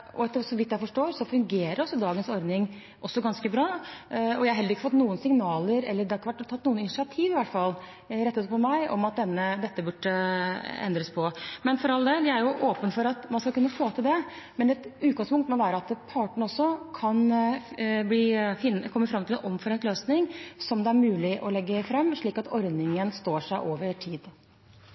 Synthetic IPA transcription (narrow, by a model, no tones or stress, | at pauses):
ʔɔɛt̪ːsɔʋɪt̪jæɪfɔʂʈoːɾsɔfʉŋɡeːɾəɾɔsːɔd̪ɑːɡənsɔɾd̪nɪŋ | ʔɔsːɔɡɑnskəbɾɑːɔjæɪɑɾɦɛlːɾɪkːəfɔt̪ːnuːənsɪŋnɑːləɾɛ̰lːəɾɖ̪ɛɑɾɪkːəʋæʈt̪ʰːɑt̪ːnuːənɪnɪʂɪɑt̪ʰiːʋɪʋæʈfɑlː | ɾɛt̪ːəspɔmæɪɔ̰mɑt̪̚d̪ɛnːəd̪ɛt̪ːəbʉʈːəɛ̰nd̪ɾəspʰɔmɛnfɔɾɑlːəd̪ɛd̪ɛæɾjʊʔoːpənfɔɾɑt̪mɑnskɑlkʉnːəfoːt̪ʰɪld̪ɛ | mɛnɛt̪ʉːt̪̚ɡɑŋspʊŋkt̪mɔʋæːɾəɑt̪pʰɑːʈəɳ̩ɔsːɔkʰɑn | bliːfɪnːkʰɔmːəfɾɑmːt̪ɪlɛnʔɔmfɔɾɛnt̪løːsnɪŋsɔmd̪ɛæɾmʉːlɪʔɔlɛɡːəfɾɛmːʂɭiːkɑt̪ɔɾd̪nɪŋənst̪oːʂæɪʔoːʋəʈʰiːd̪